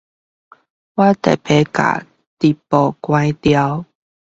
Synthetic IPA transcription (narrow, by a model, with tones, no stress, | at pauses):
wa˦t̪ɛ˨˩pʰe˧˦ka̰˨˩ | t̪i˨˩pɔ˨˩kwã˧˦jt̪ja˧˦ʊw